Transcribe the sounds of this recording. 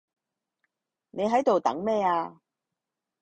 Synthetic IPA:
nʔe˨˧jɦɐ˨˥jt̪o˨wt̪ɐ̰˨˥ŋmɛː˥aː˧

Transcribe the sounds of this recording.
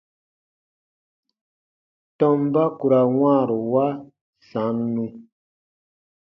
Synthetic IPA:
tɔ˦m˦ba˦ku˨ɾa˨wãː˦˨ɾu˨wa˦ | sã˨˦nːũ˧

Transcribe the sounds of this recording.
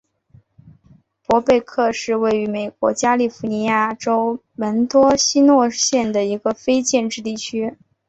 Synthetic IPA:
pwɔ˧˥pe˥˧ɪkʰɤ˥˧ʂɻ̩˥˧we˥˩ɪy˧˥me˨˩ɪkwɔ̰˧˥t͡ɕja˥li˥˩fu˧˥ni˧˥ja˥˩ʈ͡ʂo˥ʊ | lə˧˥nt̪wɔ˥ɕi˥nwɔ˥˧ɕjɛ˥˩nd̪ə˩i˧˥ɡə˧fe˥ɪt͡ɕjɛ˥˧nʈ͡ʂɻ̩˥˧t̪i˥˩t͡ɕʰy˥

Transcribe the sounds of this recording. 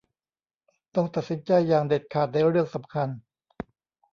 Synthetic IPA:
t̪ɔ˥˩ŋt̪a˨t̪̚si˩˦nt͡ɕa˧jːaː˨˩ŋde˨˩t̪̚kʰaː˨˩t̪̚na˧˥˩jɾɯ˥˩əŋsa˩˦mkʰa˧n

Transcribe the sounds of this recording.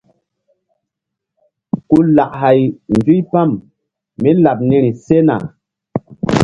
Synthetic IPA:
ku˦la˨ʔɦa˨jn˨vi˦jpa˦˨mː | i˦la˨p̚ni˦ɾi˨se˦na̰˨

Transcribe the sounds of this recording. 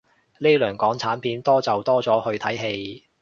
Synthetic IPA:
le˥jlœː˨˩ŋkɔː˨˥ŋt͡sʰaː˨˥npʰiː˨˥nt̪ɔː˥t͡sɐ˨wt̪ɔː˥t͡sɔː˨˥hɵ˧ɥt̪ʰɐ˨˥jɦe˧j

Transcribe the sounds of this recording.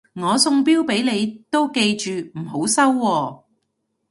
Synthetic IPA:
ŋɔː˨˧sʊ˧ŋpiː˥wpe˨˥jle˨˧jt̪o˥wke˧jt͡ʃyː˨m̩˨˩ɦo˨˥wsɐ˥wːɔː˧

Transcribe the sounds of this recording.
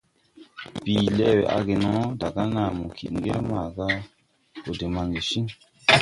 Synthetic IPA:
biː˨lɛ˦wḛ˨ʔa̰˧ɡe˨nɔ̃˨˦da˨ɡa˦na˨mu˨kʰḭ˨ʔŋ˨ɡɛ˦ma˨ɡa˦ | o˨de˨ma˧ŋɡe˨ʃi˦ŋ

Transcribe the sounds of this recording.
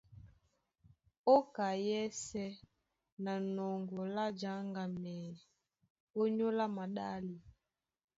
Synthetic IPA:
ɔ˦ka˨jɛ˦sɛ˦ | na˨nɔ˨ŋɡɔ˨la˦d͡ʒa˨˦ŋɡa˨mɛː˨ | o˦ɲo˦la˦ma˨ɗa˦li˨

